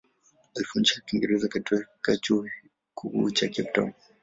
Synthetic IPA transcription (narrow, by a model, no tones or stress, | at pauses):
alfunʃakiŋɡɛɾɛzakatɛkat͡ʃu | kʰukṵt͡ʃakɛp̚tɔ̰m